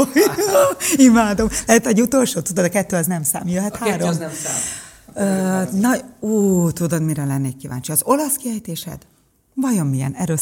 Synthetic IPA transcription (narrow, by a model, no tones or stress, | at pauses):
imaːd̪o̞mlɛɦɛt̪ɛɟut̪o̞lʃoːt̪ud̪od̪ɒkɛt̪ːøːɒznɛmsa̰ːmjøɦɛt̪haːɾom | øːnɒuːt̪ud̪od̪miɾɛlɛnːeːkːiva̰ːɲt͡ʃiɒzo̞lɒskiɦɛjt̪eːʃɛ̰d̪ | vɒjo̞mːijɛ̰nɛɾø